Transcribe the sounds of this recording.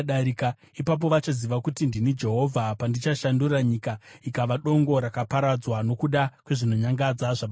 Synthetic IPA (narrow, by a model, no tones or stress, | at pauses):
ɗaɾika | ipap̬o̞ʋat͡ʃaziʋakutindinid͡ʒe̞ɦo̞vʱapandit͡ʃaʃanduraɲikaikaʋaɗo̞ŋɡo̞ɾakapaɾad͡zwano̞kuɗakwe̞ʐino̞ɲaŋɡad͡zaʐaɓ